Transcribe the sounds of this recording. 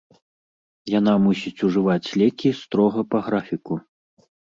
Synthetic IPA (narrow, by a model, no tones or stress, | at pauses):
jan̪amusʲit͡sʲuʐɨvat͡sʲlʲɛkʲist̪ɾɔɣɐpɐɣɾafʲiku